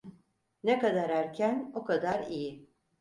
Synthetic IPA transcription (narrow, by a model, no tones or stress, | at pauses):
nekad̪aɾæɾcʰænokʰad̪aɾijɪ